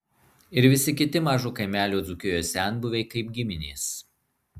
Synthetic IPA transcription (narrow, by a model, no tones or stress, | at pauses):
ɪɾʋʲɪsʲɪkʲɪt̪ʲɪmɑːʒukɐɪmʲæːlʲuːd̪zʊkʲɪjoːsʲæˑnbʊʋʲɛɪkɐɪp̚ɡʲɪmʲɪnʲiːs